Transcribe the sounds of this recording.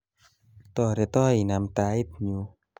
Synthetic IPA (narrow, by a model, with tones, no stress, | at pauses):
t̪ɔ˧˩ɾa˧t̪ɔ˥˩˨jna˧˦mt̪aː˧˦i˦˩t̪̚ɲu˧˦